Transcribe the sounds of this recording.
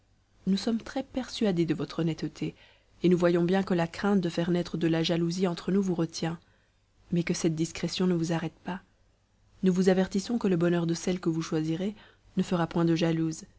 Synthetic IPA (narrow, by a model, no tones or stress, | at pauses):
nusɔmt̪χɛpɛʁsɥad̪ed̪əvɔt̪χɔnɛt̪t̪ʰe | enuvwajɔ̃bjɛ̃kəlakχɛ̃t̪̚d̪əfɛʁnɛt̪χəd̪əlaʒaluziɑ̃t̪χənuvuʁət̪jɛ̃ | mɛkəsɛt̪̚d̪iskχɛsjɔ̃nəvuzaʁɛt̪pa | nuvuzavɛʁt̪isɔ̃kələbɔnœʁd̪əsɛlkəvuʃwaziʁe | nəfəʁapwɛ̃d̪əʒaluːz